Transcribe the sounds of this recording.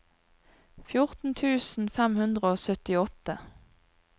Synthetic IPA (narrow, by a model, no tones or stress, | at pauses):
fjʊʁt̪n̩t̪ʰʉːsn̩fɛmhʉnd̪ʁəoːsœt̪ɪɔt̪ə